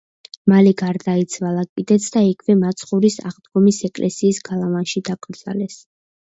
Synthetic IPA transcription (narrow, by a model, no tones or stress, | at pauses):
malɛɡaɾd̪ait̪sʰvalˠakʼid̪ɛt̪sʰd̪aikʰvɛmat̪sʰʼχuɾisa̰ʁd̪ɡɔmisɛkʼlʔɛsiːsɡalˠavanʃid̪akʼɾd̪z̥alɛs